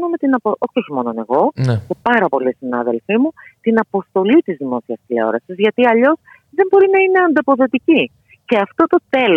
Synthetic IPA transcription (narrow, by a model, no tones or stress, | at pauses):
nome̞t̪inɐpoʔoçeo̞çimo̞none̞̰ɣo̞nesepɐɾɐpo̞lisinɐ̰ðe̞lfimut̪inɐpo̞st̪o̞lit̪izðimo̞siɐsle̞̰o̞̰ɾɐsizʝɐt̪iɐʎo̞s | ðembo̞ɾinɐine̞ɐnd̪opo̞ðo̞t̪ici | ce̞ɐft̪o̞t̪o̞t̪e̞l